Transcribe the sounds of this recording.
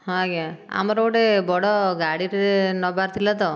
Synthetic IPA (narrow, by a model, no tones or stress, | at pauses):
ɦɔ̃ɡaa̰mɔɾɔoʈebɔɽɔɡaɽiʈnɔbaɾt̪ʰilat̪ɔ